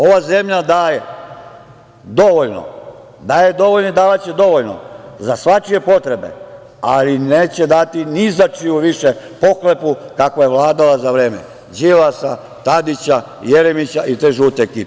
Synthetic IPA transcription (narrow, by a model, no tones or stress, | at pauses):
o̞ʋaːzemʎad̪aːje | d̪o̞ʋoʎno̰ | d̪aːjed̪o̞ʋoʎnoid̪aːʋat͡ɕed̪o̞ʋo̞ʎno̰zasʋat͡ʃije̞po̞t̪ɾe̞be̞̰ | alineːt͡ɕed̪at̪inizat͡ʃijuʋiʃe | po̞kle̞pukakoje̞ʋlaːd̪alazaʋɾe̞ːmḛ | d͡ʑiʋasa | t̪ad̪it͡ɕa | jeɾemit͡ɕaʔit̪eʒuːt̪ekiːp